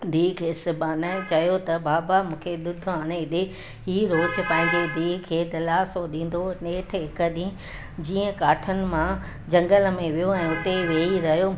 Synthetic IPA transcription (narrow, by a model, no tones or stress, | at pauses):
d̪ʱiːɦkʰeːsɪbaːnaːɪt͡ɕɐjot̪ɐbaːbamũːkʰeɗ̪ʊd̪ʱʊaːɽ̃eɪɗ̪ɪ | ɦiːɾoːt͡ɕʊ̆pɐ̃ɦɪ̃ɲd͡ʑed̪ʱiːɦkʰeːt̪ɐlaːsoɗĩːn̆d̪oneːʈʰɦɪkəɗĩ | d͡ʑiːə̃kaːʈʰənɪ̆mã | d͡ʑɐ̃ŋɡəlmẽʋijoɛ̃ːʊt̪eʋeːiɾɐɦijoː